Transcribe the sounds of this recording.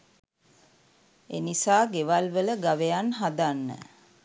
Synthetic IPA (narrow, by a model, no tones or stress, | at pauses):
enisaːɡeʋalʋələɡaʋejanɦad̪anːə̰